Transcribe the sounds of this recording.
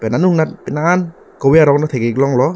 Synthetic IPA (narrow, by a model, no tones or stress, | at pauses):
pɛnanuŋnatpɛnaːn | kɔweaɾɔk̚natʰejɡeklɔŋlɔ